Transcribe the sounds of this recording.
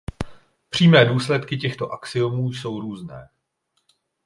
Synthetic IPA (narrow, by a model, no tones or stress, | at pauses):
pr̝̥iːmɛːduːslɛt̪kɪcɛxt̪o̞ʔaksɪomuːjso̞wɾuːznɛː